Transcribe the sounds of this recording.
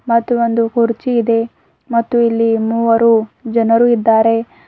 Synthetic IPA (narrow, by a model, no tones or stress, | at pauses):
mɐt̪ːuond̪ukuɾt͡ʃiːd̪e̞ | mɐt̪ːuilːimuːʋɐɾuːd͡ʒɐnɐɾuːid̪ːaːɾe̞